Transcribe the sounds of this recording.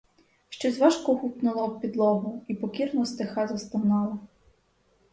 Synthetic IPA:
ʃt͡ʃɛzʋɑʃkɔɦupnʊlˠɔːpʲid̪lˠɔɦʊipɔkʲirnɔst̪exɑzɐst̪ɐwnɑlˠɐ

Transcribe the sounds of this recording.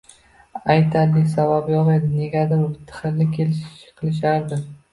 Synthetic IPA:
ajt̪ʰaɾlɪsababjɒʁed̪ɪne̞ɡʲad̪abbɪt̪ʰːɨ̥χɨlːɪkʲʰe̞lɪʃʃqʰɨlˠɪʃ̬aɾd̪ɪ

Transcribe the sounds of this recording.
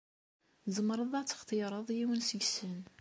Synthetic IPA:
zˤəmɾˤəðˤɑt͡sːə̥χt̪ˤiɾˤəðˤjiwənsəɡsən

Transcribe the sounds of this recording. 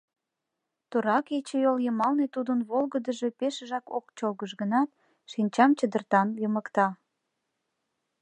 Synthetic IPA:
t̪uɾɑket͡ɕejoljəmɑlnet̪ud̪ənβolɣəd̪əʒe̽peʃəʒɑko̰kt͡ɕolɣəʃɣənɑt̪̚ | ʃinʲt͡ɕɑmt͡ɕəd̪ərt̪ɑnjəməkt̪ɑ

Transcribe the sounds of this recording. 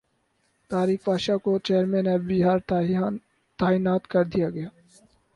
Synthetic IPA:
t̪aːɾiːxbaːʃakot͡ʃeːɾmẽnɛbiɦaːɾ | t̪aːinaːt̪kɐɾd̪ijaɡɐjaː

